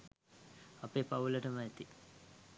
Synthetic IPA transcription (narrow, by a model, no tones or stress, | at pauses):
apeːpauləʈəməæt̪i